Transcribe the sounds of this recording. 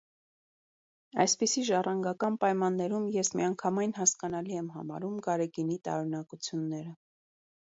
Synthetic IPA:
ɑ̰jspisiʒɑrɑŋɡɑkɑnpɑjmɑnːɛɾumjɛsmiɑŋkʰɑmɑjnɦɑskɑnɑliɛmɦɑ̰mɑ̰ɾumɡɑɾɛɡinit̪ɑ̰ɾunɑkut͡sʰjunːɛɾə

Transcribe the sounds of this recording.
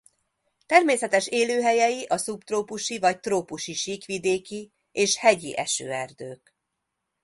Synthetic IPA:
t̪ɛrmeːsɛt̪ɛʃeːløːɦɛjɛjiʔɒsupt̪roːpuʃivɒct̪roːpuʃiʃiːkʋid̪eːki | eːʃhɛɟiʔɛʃø̰ːɛrd̪øːk

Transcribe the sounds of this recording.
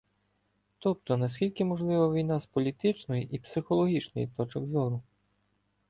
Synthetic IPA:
t̪ɔp̚t̪ɔnɐskʲilʲkɪmɔʒlˠɪʋɐʋʲijnɑspɔlʲit̪ɪt͡ʃnɔjiʔipsɪxɔlˠɔɦʲit͡ʃnɔjit̪ɔt͡ʃɔɡzʲɔɾʊ

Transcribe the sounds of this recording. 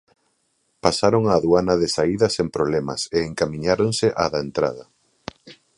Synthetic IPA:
pasaɾoŋaːðuanɐðesaiðɐsempɾoβlɛmɐ̰seːŋkamĩɲaɾoŋseʔaðɐent̪ɾa̰ðɐ

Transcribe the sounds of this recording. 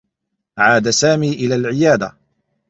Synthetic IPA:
ʕaːd̪asaːmiːʔɪlaːlʕɪjaːd̪a

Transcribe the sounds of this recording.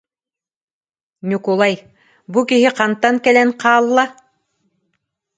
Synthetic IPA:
nʲukulˠaj | bukiɦiqant̪ːaŋkɛlɛnqɑːlˠːa

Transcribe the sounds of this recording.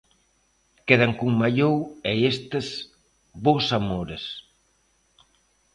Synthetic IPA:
keðaŋkuŋmaʎowɛest̪ez | βowsamoɾes

